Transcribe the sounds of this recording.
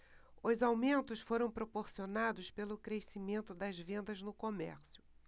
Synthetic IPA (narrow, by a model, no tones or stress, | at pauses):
ʊzawmẽnt̪ʊsfoɾɐ̃w̃pɾopoɾsionad̪ʊspelʊkɾesimẽnt̪ʊd̪ɐzvẽnd̪ɐznʊkomɛ̰ɾsjʊ